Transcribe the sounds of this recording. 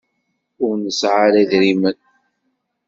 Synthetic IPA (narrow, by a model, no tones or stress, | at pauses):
ʊɾnəsʕaɾæðɾimən